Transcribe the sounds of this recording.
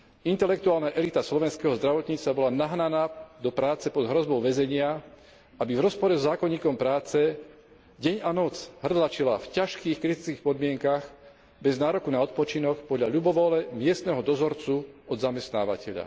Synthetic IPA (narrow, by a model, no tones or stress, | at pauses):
int̪ɛlɛk̚t̪uaːlnaʔɛlit̪aslɔʋɛnskɛɦɔzd̪ɾaʋɔt̪ɲiːt͡s̪abɔlanaɦnanaːd̪ɔpɾaːt͡sɛpɔd̪ɦɾɔzbɔʊʋɛzɛɲɪa | abivɾɔspɔɾɛzɔzaːkɔɲːiːkɔmpɾaːt͡sɛ | ɟɛɲanɔt͡sɦr̩d̪lat͡ʃilafcaʃkiːxkɾit̪it͡skiːxpɔd̪mɪɛŋkax | bɛznaːɾɔkunaɔt̪̚pɔt͡ʃinɔkpɔd̪ʎaʎubɔʋɔlɛmɪɛst̪nɛɦɔd̪ɔzɔɾt͡suɔd̪zamɛst̪na̰ːʋacɛʎa̰